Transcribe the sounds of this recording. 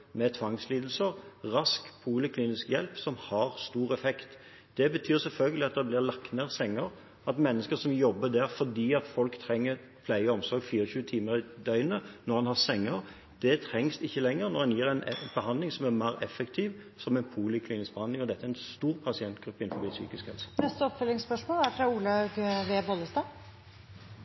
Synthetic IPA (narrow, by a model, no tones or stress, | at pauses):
mɛt̪ʰʋɑŋsliːd̪l̩səʁʁɑskpʰuːlɪkʰliːnɪskjɛlpsɔmhɑʁst̪uːɾɛfɛkt̪ | d̪̥ɛbət̪ʰyːɾsɛlfœlɡəlɪɑt̪̚d̪ɛblɪɾlɑkt̪neːʁsɛŋːəɾ | ɑt̪mɛnːəskəsɔmjɔbːəd̪æɾfɔd̪iːɑt̪fɔlkt̪ʰɾɛŋːəʁ | pʰlæɪəɔmsɔɾɡfiːɾəɕʉːət̪ʰiːməɾd̪œʏnənɔʁhɑnhɑʁsɛŋːəɾ | d̪̥ɛt̪ʰɾɛŋsɪçːəlɛŋːəɾnɔʁhɑnjiːɾɛɪnb̥əhɑnd̪lɪŋsɔmæɾmæɪʁɛfːɛkt̪ʰiːʋ | sɔmɛɪnpʰuːlɪkʰliːnɪsk̚bəhɑnd̪lɪŋɔd̪ɛt̪ːəæɛɾɛnst̪uːɾpʰɑsɪɛnt̪ɡ̥ɾʉpːəɪnfɔbiːsy̰ːkɪskhɛ̰lsə̥nɛst̪əɔpfœlɪŋspœʂmoːlæɾfɾɑuːlɑɡʋeːbɔləst̪ɑː